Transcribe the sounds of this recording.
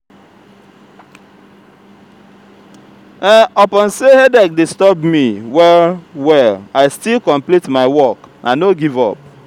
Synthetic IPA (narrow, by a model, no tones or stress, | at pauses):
ɛɔpɔ̃nsehedɛk̚distɔbmiwɛlwɛlaɪstilkɔ̃mplitmaɪwɔknʔanoɡivɔp̚